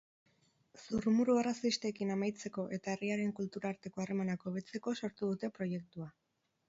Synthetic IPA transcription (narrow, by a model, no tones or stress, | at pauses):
surmuɾuerasist̪e̞kinamajt͡se̞ko̞ʔe̞t̪ae̞riaɾe̞ŋkult̪uɾaːɾt̪e̞ko̞are̞manako̞βet͡se̞ko̞so̞ɾt̪uð̞ut̪e̞pɾo̞je̞k̚t̪ua